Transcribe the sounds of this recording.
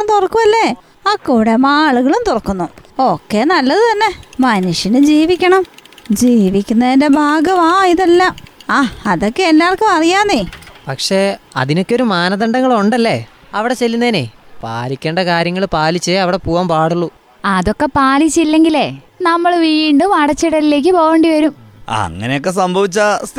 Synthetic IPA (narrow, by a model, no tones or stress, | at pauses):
mt̪orɐkːumɐlːe | ɐkːuɽemaːɭuɣɐɭumt̪orɐkːunːuokːe̞nɐlːɐðɨt̪ɐnːe̞mɐnuʂɐnɨd͡ʑiːʋikʲːɐɳɐmd͡ʑiːʋikʲːunːɐðinde̞bʱaːɡɐʋaːjiðɐlːɐaːɐðo̞kːeelːaːɭkɨɐrijaːnepɐkʂe̞ɐ̰ðino̞kːeo̞ɾumaːnɐðɐɳɖɐŋːɐɭoɳɖɐlːe | ɐʋiɽe̞t͡ɕelːunːɐðinepa̰ːlikʲːe̞ːɳɖɐkaːɾjɐŋːɐɭpaːlit͡ɕːɨɐʋiɽe̞puːʋaːmpaːɽuɭːu | ɐðo̞kːe̞paːlit͡ɕːilːe̞ŋɡile | nɐmːɐɭʋiːɳɖumɐɽɐt͡ɕːiɽɐlile̞ːk̬ːipo̞ːɣeːɳɖiʋɐɾumɐ̰ŋːɐ̰nejokːe̞s̬ɐmbʱɐʋit͡ɕːɐs